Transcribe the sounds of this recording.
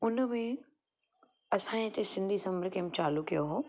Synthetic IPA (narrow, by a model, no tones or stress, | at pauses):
ʊnmẽ | ɐsãːẽt̪esɪ̃nd̪ʱisɐməɾkemt͡ɕaːlukijoɦoː